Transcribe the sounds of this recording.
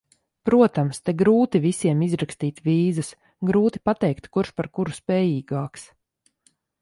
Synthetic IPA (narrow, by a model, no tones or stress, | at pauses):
pɾuɔt̪amst̪ɛɡɾuːt̪ivisiɛmizɾakst̪iːt̪viːzɨs | ɡɾuːt̪i̥pat̪ɛjkt̪kuɾʃpaɾkuɾuspɛːjiːɡaːks